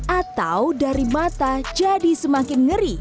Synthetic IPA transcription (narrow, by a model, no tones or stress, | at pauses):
ʔat̪awdaɾimat̪ad͡ʒadisəmakɪnŋəɾi